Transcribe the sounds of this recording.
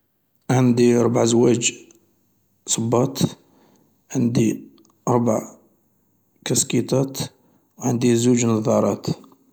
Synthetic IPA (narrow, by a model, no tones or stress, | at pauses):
ʕənd̪iɑɾˤbaʕzwæd͡ʒ | sˤəbːɑt̪ | ʕənd̪i | ʔɑɾˤba̰ʕ | kæskit̪ˤɑt̪ | wʕənd̪izud͡ʒnɑðˤɑɾˤɑt̪